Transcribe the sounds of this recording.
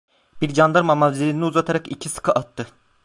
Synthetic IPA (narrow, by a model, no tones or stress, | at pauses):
b̥iɾd͡ʒand̪aɾmamald͡ʒ̪ɾiniuzat̪ʰaɾakicʰisɯ̥kʰɯʔat̪ʰːɯ